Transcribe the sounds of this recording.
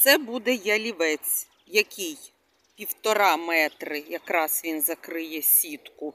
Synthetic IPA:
t̪sɛbud̪ɛjɐlʲiʋɛt͡sʲ | jɐkʲɪj | pʲiwt̪ɔɾɑmɛt̪ɾɪjɐkɾɑz̥ʋʲinzɐkɾɪjɛsʲit̪kʊ

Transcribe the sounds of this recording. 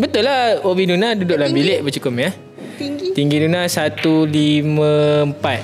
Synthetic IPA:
bət̪ʊlahobinunadudʊʔ̚labileʔbət͡ʃukʊpja | t̪iŋɡidunasat̪ulimə̃mpat̪̚

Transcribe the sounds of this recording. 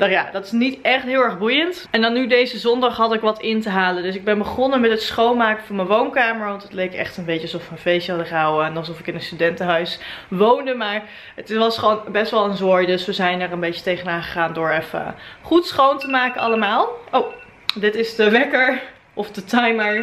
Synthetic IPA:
d̥ɔχja̰dɑtɪ̥snitɛχtɦɪːlˠɛɹχbujənt | ɛndɑnːydejzəzɔndɑχɦɑtɪkʋɑtɪntəɦaːləndɵsɪɡ̚bɛnbəχɔnəmɛtətsχownmaːkəv̥ɑnmənʋownkaːməɹʋɑntətlejkɛ̰χtənbejcəɑsɔfmənfejsɑdəχawəɛnɑlˠsɔfɪkɪnənstydɛntəɦœɥsʋowndəmaːɹ | ətʋɑsχəʋownbɛstʋɛlˠənzoːɹjdɵsʋəzɛjnəɹənbejt͡ʃətejχənaːχəχaːndʊːɹɛfə̰χutsχowntəmaːkənɑ̰ləmaːlˠow | dɪtɪsdəʋɛkəɹ | ʔɔfdətɑjməɹ

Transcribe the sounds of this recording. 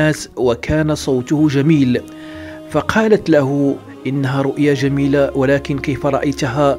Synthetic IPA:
aːswakʰæːnasˤɑːt̪ʊhʊʒæmiːl | fɑqʰɑːlat̪laɦʊ | ʔɪnːaɦaɾˤʊʔjaʒamiːlawalæːkɪnkejfaɾˤɑʔajt̪ɦaː

